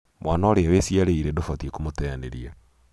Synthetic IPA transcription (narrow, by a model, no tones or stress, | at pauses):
mʔwaːnaoɾeawesiaɾeiɾedofatiekomotɛaneɾia